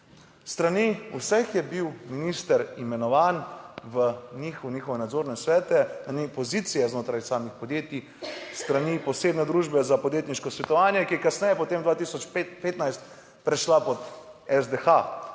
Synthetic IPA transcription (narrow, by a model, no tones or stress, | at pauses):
st̪ɾaniusɛxjɛbiwminist̪əɾimɛnɔʋaːnʋəniːxuniːxɔʋɛnad̪zoːɾnɛsʋɛːt̪ɛnanipɔzit̪sijɛznoːt̪ɾajsaːmixpɔd̪jeːt̪i | st̪ɾanipɔseːbnɛd̪ɾuːʒbɛzapɔd̪jeːt̪niʃkɔsʋɛt̪ɔʋaːnjɛkijɛkasnɛjɛpɔt̪eːmd̪ʋaːt̪isɔt͡ʃppeːt̪najst̪ | pɾɛʃlapɔt̪ɛzd̪exa